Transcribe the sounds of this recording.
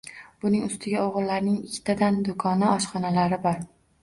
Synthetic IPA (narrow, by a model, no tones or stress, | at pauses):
b̥ʊnɪŋʊst̪ʰɪɡʲaoʁɨlːaɾnɪŋɪkʲʰːt̪ʰad̪and̪ʊkʰɒnɪɒʃχɒnalaɾɪbɒɾ